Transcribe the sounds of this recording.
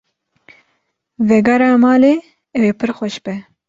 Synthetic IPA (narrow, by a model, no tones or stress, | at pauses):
vɛɡɑːɾɑːmɑːleː | ɛweːpʰɨɾxʷɔʃbɛ